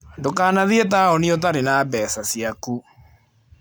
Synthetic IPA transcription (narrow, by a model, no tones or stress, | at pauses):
ndokaːnaðiɛt̬aɔniot̬aɾenaːbɛsasjaku